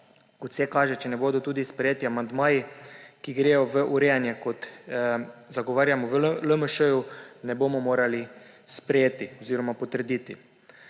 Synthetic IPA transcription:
kɔt̪sɛkaːʒɛt͡ʃɛnɛboːd̪ɔt̪uːd̪ispɾɛjeːt̪iamand̪maːjikiɡɾeːjɔʋəʔuɾɛjanjɛkɔt̪ | zaɡɔʋaːɾjamɔʋləməʃəjunɛboːmɔmoːɾali | spɾɛjeːt̪iɔziːɾɔmapɔt̪əɾd̪iːt̪i

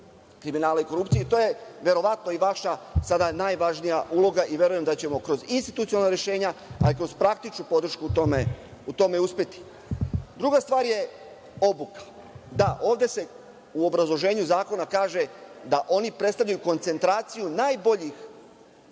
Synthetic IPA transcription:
kɾiminaːlaiko̞ɾupt̪sijet̪o̞ːje̞ʋe̞ɾo̞ʋat̪noiʋaʃasad̪anajʋaʒnijaʔulˠo̞ɡaʔiʋʲje̞ɾujemd̪at͡ɕe̞mo̞kɾo̞zinst̪i̥t̪ut̪ionalnaɾje̞ʃe̞ːɲaalikɾo̞zpɾak̚t̪it͡ʃnupo̞d̪ɾ̩ʃkut̪ome | ut̪o̞me̞uspʲe̞t̪i̥ | d̪ɾuɡast̪ʋaːɾje̞ | o̞bukḁ | d̪aʔo̞ːʋd̪e̞se̞ | uo̞bɾazlˠo̞ʒe̞ːɲuzaːko̞nakaːʒe̞d̪aʔo̞nipɾe̞d̪st̪avʎʲajuko̞nt̪se̞nt̪ɾaːt̪sijunaːjbo̞ʎix

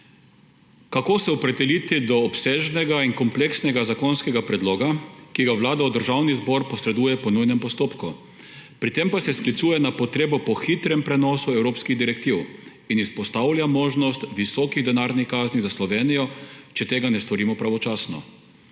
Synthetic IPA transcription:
kakoːsɛɔpɾɛd̪ɛliːt̪id̪ɔːpseːʒnɛɡainkɔmpleksnɛɡazakɔnskɛɡapɾɛd̪loːɡakiɡaʋlaːd̪aud̪əɾʒawnizbɔɾpɔsɾɛd̪uːjɛpɔnujnɛmpɔst̪oːpku | pɾit̪empasɛsklit̪suːjɛnapɔt̪ɾeːbɔpɔxit̪ɾɛmpɾɛnɔːsuɛwɾoːpskiɣd̪iɾɛk̚t̪iw | inispɔst̪awlʲjamoːʒnɔst̪ʋisɔːkiɣd̪ɛnaːɾnixkaːznizaslɔʋeːnijɔt͡ʃɛt̪eːɡanɛst̪ɔɾiːmɔpɾaʋɔt͡ʃaːsnɔ̰

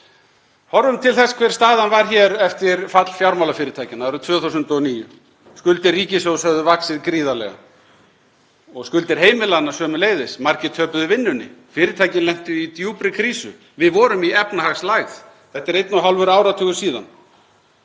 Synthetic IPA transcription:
hɔɾvʏmt̪ʰɪlθɛskʰv̥ɛɾ̥st̪aːðanvaɾ̥çɛːɾɛft̪ɪɾfat̪l̥fjawɾmawlafɪːɾɪt̪ʰaːjcɪnaɾʏt̪ʰv̥œːθuws̬ʏnt̪ɔniːjʏ̰ | skʏlt̪ɪɾriːcɪsowsœðʏvaksɪðkɾiːðalɛ̰ɣa̰ | ɔɣskʏlt̪ɪɾ̥ɦeːjmɪlanːasœːmʏleːjðɪsmaɾcɪt̪ʰœːpʏðʏvɪnːʏnːɪ̰fɪːɾɪt̪ʰaːjcɪnlɛm̥t̪ʏit̪juːpɾɪkʰɾiːsʏ | vɪðvɔɾʏmiɛpnahaɣslaɣθ | θɛht̪ːaɾejt̪nʊɦawlvʏɾaːwɾat̪ʰœːɣʏ̥siːða̰n

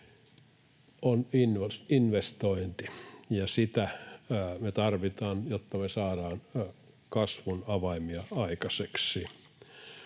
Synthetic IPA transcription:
oninʋosinʋest̪oint̪ijɑsit̪æ | met̪ɑrʋit̪ɑːnjot̪ːɑmesɑːɾɑːn | kɑsʋunɑʋɑimiɑɑikɑseksi

